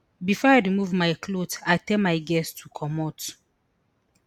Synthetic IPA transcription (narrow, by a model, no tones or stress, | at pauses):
bifɔajɹimuvmajkʰlotatɛlmajɡɛstʰukʰɔmɔt